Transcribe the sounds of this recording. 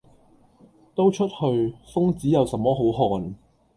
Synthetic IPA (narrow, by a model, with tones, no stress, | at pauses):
t̪o˥wt͡ʃʰɵ˥t̚hɵ˧ɥfʊ˥ŋt͡siː˨˥jɐ˨˩wsɐ˨˥mːɔː˥ɦo˨˥wɦɔː˨n